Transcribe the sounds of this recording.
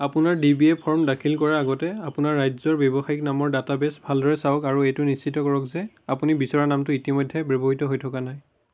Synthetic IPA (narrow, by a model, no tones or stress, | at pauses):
apʊnaɹdibiɛpʰɔɹmdakʰilkɔɹɛaɡɔtɛapʊnaɹːajzɔɹbjɔbɔxaiknamɔɹdatabɛsbʱaldɔɹɛsaɔkaɹuɛjtʊnist͡ʃʰitɔkɔɹɔkzɛ | apunibisɔɹanamtʊitimɔjdʱːɛbɹebɔɦitɔɦojtʰɔkanaj